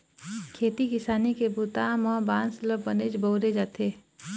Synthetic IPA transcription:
kʰeːt̪ikɪsaːnikebut̪amɔ̃ːbãːnsləbːəned͡ʒbəʊɾed͡ʒaːt̪ʰeː

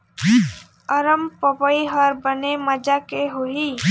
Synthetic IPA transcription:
əɾəmpəpəiɦəɾbəneməd͡ʒakeɦoɦi

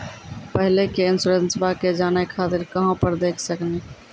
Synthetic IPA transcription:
pəɦlekeɪnsuɾẽnsbaked͡ʒaːnajkʰaːt̪ɪɾkəɦãpəɾd̪eːkʰsəkne

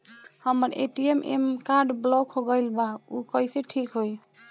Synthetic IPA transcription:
həməɾḛʈiemʔḛmkaɾɖblɔkɦoɡəjlbaukəjseʈʰikɦoj

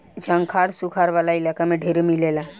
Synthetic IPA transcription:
d͡ʒʱəŋkʰaɾsukʰaɾʋalailakamẽɖʱeɾemilela

